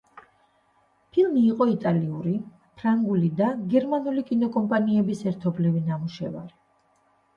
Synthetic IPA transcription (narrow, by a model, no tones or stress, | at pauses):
pʰilˠmiːqʼɔit̪ʼaliuɾi | pʰɾaŋɡulid̪aɡɛɾmanulikʼinɔkʼɔmpʼaniɛbisɛɾt̪ʰɔblivinamuʃɛva̰ɾi